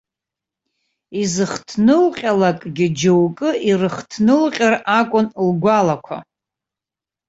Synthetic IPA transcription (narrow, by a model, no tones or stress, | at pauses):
izɨχtʰnɨlqʲʼalakʼɡʲɪd͡ʒɨwkʼɨirɨχtʰnɨlqʲʼɪrakʷʼʊnlɡʷalakʷʰa̰